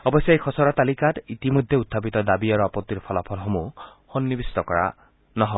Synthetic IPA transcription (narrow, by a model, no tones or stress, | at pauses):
ɔbɔsjaejkʰɔsɔɾat̪alikatit̪imod̪ʱːeut̪ʰːapit̪ɔd̪abiaɾuapɔt̪ːiɾpʰɔlapʰɔlɔɦomuhonːibisi̥t̪ɔkɔɾa̰ | nɔɦɔ̃